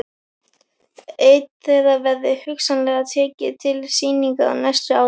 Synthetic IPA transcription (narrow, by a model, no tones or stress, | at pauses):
eːjt̪θɛðavɛɾðɪhʏksanlɛːɣat̪ʰɛːcɪt̪ʰɪlsiːniŋkaa̰najst̪ʏaːw